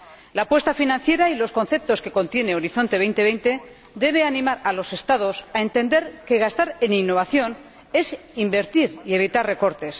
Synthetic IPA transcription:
laːpwe̞st̪afinãn̟θje̞ɾailo̞sko̞nθe̞p̚t̪o̞ske̞ko̞nt̪je̞ne̞o̞ɾiθo̞nt̪e̞βe̞jnt̪e̞βe̞jnt̪e̞ | d̪e̞β̞e̞anĩmaɾalo̞se̞st̪aðo̞sae̞nt̪e̞nd̪e̞ɾke̞ɣast̪aɾeninːo̞βaθjo̞n | e̞s | imbe̞ɾt̪iɾie̞β̞it̪arre̞ko̞ɾt̪e̞s

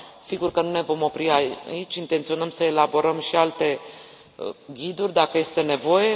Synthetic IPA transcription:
siɡurkənune̞vo̞mo̞pɾia̰it͡ʃʲint̪e̞nt̪sio̞nəmsəe̞labo̞ɾəmʃialt̪e̞ | ɡʲid̪urʲd̪akəje̞st̪e̞ne̞vo̞je̞

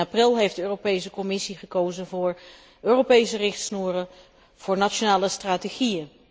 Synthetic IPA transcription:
aprɪlˠɦejfdəøːropejsəkɔmɪsiχəkowzənvʊːɹ | ʔøːrowpejsərɪχtsnuːrə | v̥ʊːɹnat͡ʃonaːləstraːteχijən

